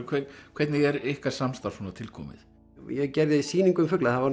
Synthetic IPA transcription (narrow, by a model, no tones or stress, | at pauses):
kʰɛkʰvɛɾt̪nɪɛɾɪhkaɾ̥samst̪aɾ̥sunat̪ʰɪlkʰɔ̰ːmɪ̰θ | jɛɣcɛɾðɪisiːniŋkʏmfʏklaθavaɾ